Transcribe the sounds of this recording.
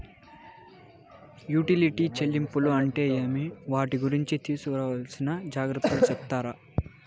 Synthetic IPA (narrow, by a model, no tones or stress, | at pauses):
juːʈiliʈiːt͡ʃelːimpuluɐɳʈe̞ːeːmiʋaːʈiɡuɾiɲt͡ʃit̪iːsukɾɐʋaːlsinɐd͡ʒaːɡɾut̪ːut͡ʃɛpt̪aːɾa